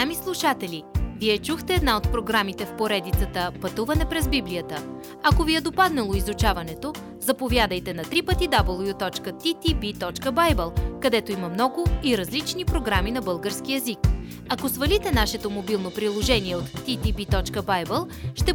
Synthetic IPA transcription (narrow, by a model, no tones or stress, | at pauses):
amislˠuʃat̪ɛlʲiviɛt͡ʃuxt̪ɛːd̪naot̪̚pɾoɡɾamit̪ɛfpoɾɛd̪it̪sət̪əpɐt̪uvɐnɛpɾɛzbiblijət̪ə | ɐkoviɛd̪opad̪nɐlˠoizut͡ʃavɐnɛt̪o | zɐpovjad̪əjt̪ɛnɐt̪ɾipət̪id̪abəlˠjut̪ɔt͡ʃkət̪it̪ibit̪ɔt͡ʃkəbajbɛlˠkɐd̪ɛt̪oimɐmnɔɡʊiɾɐzlit͡ʃnipɾoɡɾaminɐbɤlˠɡəɾsk̟iɛzik | ɐkosvɐlʲit̪ɛnaʃɛt̪omobilˠnopɾilˠoʒɛniɛot̪ːit̪ibit̪ɔt͡ʃkəbajbəlˠ | ʃt̪ɛ